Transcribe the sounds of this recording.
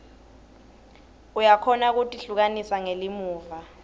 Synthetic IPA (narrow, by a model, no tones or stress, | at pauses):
ujakʰɔnak̬utʼiɬuk̬anisaŋelimuːva